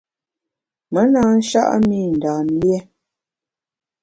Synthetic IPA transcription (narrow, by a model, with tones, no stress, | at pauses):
mə˨˦naː˦n̩˦ʃa̰˦ʔə̰˦mi˦˨n̩˨daː˨n˦ljɛ˦